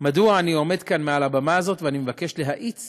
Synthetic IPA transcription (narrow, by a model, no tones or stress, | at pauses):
maduaːnio̞me̞dkanmealabamaazo̞tveanimevake̞ʃleɦaʔit͡s